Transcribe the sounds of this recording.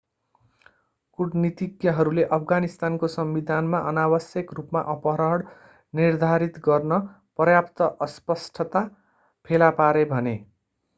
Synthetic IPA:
kuɽnit̪ikjʌɦʌɾuleʔʌpʰɡanist̪ankosʌmbid̪ʱanmaʔʌnabʌsjʌkrupma̰ʔʌpʌɾʌɽ | nird̪ʱaɾit̪ɡʌrnʌ | prʌjapt̪ʌʔʌspʌsʈʰʌt̪a | pʰelapaɾebʱʌne

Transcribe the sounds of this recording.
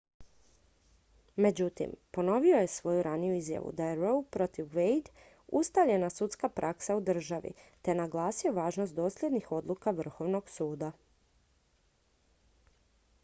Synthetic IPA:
me̞d͡ʑut̪ḭmpo̞no̞ʋio̞je̞sʋo̞juɾanijuizja̰ʋṵd̪ajeɾowpɾo̞t̪iʋʋejd̪ | ṵst̪aʋʎe̞nasut̪skapɾʔaksaud̪r̩ʒaʋḭt̪e̞naɡlˠaːsioʋaːʒno̞st̪o̞ːsʎʲjed̪nixo̞d̪lˠukaʋr̩xo̞ʋno̞ɡsuːd̪a

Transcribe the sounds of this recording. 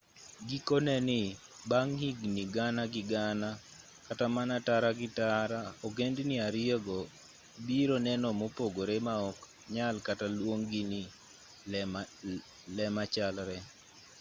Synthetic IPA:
ɡikɔnɛnɪ | baŋhiɡniɡanaɡɪɡana | katamanataɾaɡɪtaɾaoɡendniaɾɪeɡɔ | biɾonɛnɔmopoɡoɾemaɔk | ɲalkatalwoŋɡɪnɪ | lɛmat͡ʃalɾɛ

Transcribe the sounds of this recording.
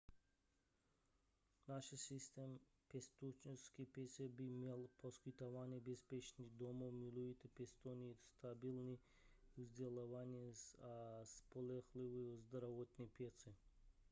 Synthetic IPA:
naʃsist̪em | pest̪ut͡ʃiskipʲesebimelˠpʰoskit̪avanʲibespet͡ʃnid̪omomilujit̪epʲest̪onist̪ʰabilˠni | uzd̪ʲelavanʲiesaspolɛxliviozd̪ɾavot̪nipjesi

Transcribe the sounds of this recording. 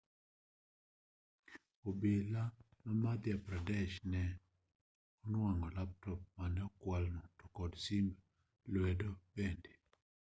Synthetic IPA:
obelamamad̪japɾadɛʃnɛ | ɔnwaŋɔlap̚tɔp̚manɛɔkwalnɔtɔ̥kɔdsimb | lwɛdɔbɛnde

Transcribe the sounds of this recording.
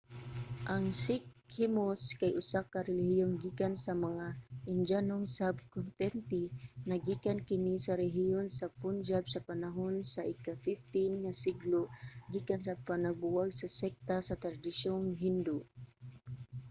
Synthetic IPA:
ʔɐŋsɪkhɪmoskajʔʊsakaɾɛlɪhɪjonɡiːkansɐmɐŋaʔɪnd͡ʒanoŋsab̚kʊnt̪ɛnt̪ɪnɐɡiːkankɪnisɐɾɛɦɪjonsɐpʊnd͡ʒab̚sɐpanaɦonsɐʔɪkafɪft̪ɪnŋasɪɡloɡiːkansɐpanɐɡ̚bʊwaɡ̚sɐsɛk̚t̪asɐt̪ɾd̪ɪʃoŋɦɪnd̪ʊ

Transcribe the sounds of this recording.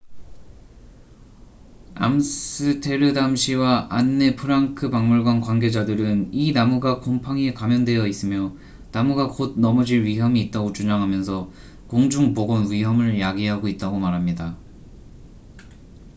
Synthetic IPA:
a̰msɯtʰe̞ɾɯdamɕʰiwaanːe̞pʰɯɾaŋkʰɯbaŋmuɭɡwankwanɡe̞d͡ʑadɯɾɯninamuɡakompʰaŋiekamjʌndwe̞jʌis͈ɯmjʌ | namuɡakod̚nʌmʌd͡ʑiɭɥiɦjʌmiːt̚t͈aɡot͡ɕuɲaŋɦamjʌnsʰʌ | koŋd͡ʑuŋboɡʌnwiɦʌmɯɭjaɡiɦaɡoit̚t͈aɡomaɾɦamɲida

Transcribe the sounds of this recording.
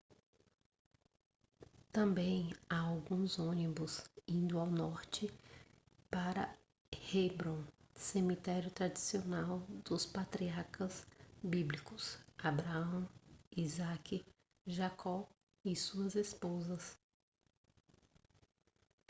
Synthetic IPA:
t̪ɐ̃mbẽj̃aawɡũzõnibʊzĩnd̪ʊawnɔɾt͡ʃɪ | paɾɐ̰ | hebɾõsemit̪ɛɾjʊt̪ɾad͡ʒisionawd̪ʊspat̪ɾiaɾkɐzbiblikʊsabɾaɐ̃w̃izakɪ | ʒakʰɔ | ɪsuɐzespozɐs

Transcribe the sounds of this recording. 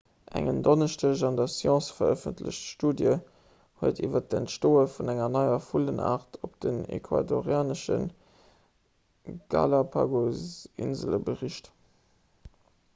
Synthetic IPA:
ʔæ̰ŋəndonəʃtəʒɑndɐsjɑ̃ːsfɐəfəntʰlə̰ɕtʃtuːdjə | huətʰivɐt̚ɛntʃtoːəfunæŋɐnɑɪɐfuləna̰ːʁtopd̥ənḛkʰwa̰doʁjaːnəʃə̰n | ɡ̥ɑ̰lapʰa̰ɡozḭnzələbəʁiɕt

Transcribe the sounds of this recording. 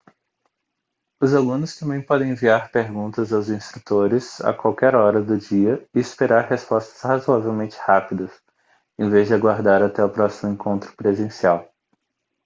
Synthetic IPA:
ʊzalũnʊst̪ɐ̃bẽj̃pɔd̪ẽj̃ẽviaɾpeɾɡũnt̪ɐzawzĩst̪ɾut̪oɾɪza̰kwawkɛɾɔɾɐd̪ʊd͡ʒiɐɪɪspeɾaɾhespɔst̪ɐ̥shazuavewmẽnt͡ʃɪ̥hapid̪ɐs | ẽvezd͡ʒɪaɡwaɾd̪aɾat̪ɛʊpɾɔsimʊẽkʰõnt̪ɾʊ̥pɾezẽsiaw

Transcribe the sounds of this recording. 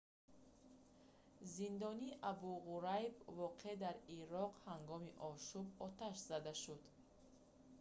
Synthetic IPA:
zind̪ɔniːʔabuʁuɾajbvɔqʰed̪aɾiɾɔqhaŋɡɔmiʔɔʃubɔt̪ʰaʃz̥ad̪aʃud̪

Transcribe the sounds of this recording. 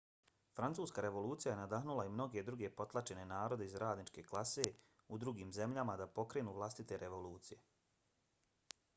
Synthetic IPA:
fɾant̪suːskaɾe̞ʋo̞luːt̪sijaje̞nad̪aɦnulˠaimno̞ɡe̞d̪ɾuɡe̞po̞t̪lˠat͡ʃe̞ne̞naːɾo̞d̪e̞izɾaːd̪nit͡ʃke̞klˠase̞ | ud̪ɾuɡiːmze̞mʎamad̪apo̞kɾe̞nuːʋlˠast̪it̪e̞ɾʔe̞ʋo̞luːt̪sije̞

